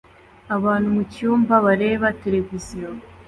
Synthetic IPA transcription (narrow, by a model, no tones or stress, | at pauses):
aβaːnhumucuːmbaβaɾe̞ːβate̞ɾe̞vizijo